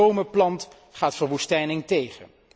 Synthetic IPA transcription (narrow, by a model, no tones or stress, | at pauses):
owməplɑnt | χaːtfərʋustɛjnɪŋtejχən